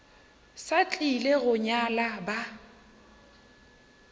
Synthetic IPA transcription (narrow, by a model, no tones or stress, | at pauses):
sat͡ɬʼileɣʊɲalaba